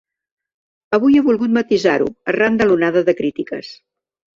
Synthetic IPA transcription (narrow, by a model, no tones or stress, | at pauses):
əβujeβulˠɣut̪mət̪izaɾṵərand̪əlunaðəðəkɾit̪ikə̰s